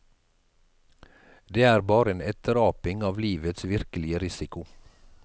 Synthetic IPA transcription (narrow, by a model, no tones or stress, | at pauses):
d̪eːæːɾbɑːɾəeːnɛt̪əɾɑːpɪŋɑːʋliːʋət̪sʋɪɾkəlɪəɾɪsɪkʊ